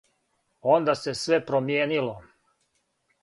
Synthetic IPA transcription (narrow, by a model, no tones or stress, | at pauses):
ond̪ase̞sʋepɾomjeːnilo